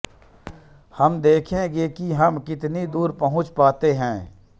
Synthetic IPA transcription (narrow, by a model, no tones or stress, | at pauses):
hɐmd̪eːkʰẽɡekiɦɐmkɪt̪nid̪uːɾpəɦʊ̃t͡ʃpaːt̪eɦɛ̃ː